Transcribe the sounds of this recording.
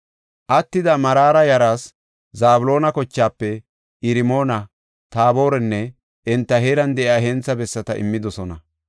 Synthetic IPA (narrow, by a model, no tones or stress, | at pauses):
ʔɐt̪ːɪd̪ɐmɐɾaːɾɐjɐɾaːs | zaːbʊlo̞ːnɐkɔt͡ʃːaːpːɛ | ʔɪɾɪmo̞ːnɐ | t̪aːbo̞ːɾɛnːɛ | ʔɪnt̪ːɐɦeːɾɐnd̪ɛʔɪaːɦɛnt͡sːɐbɛsːɐt̪ɐʔɪ̰mːɪd̪ɔsɔnɐ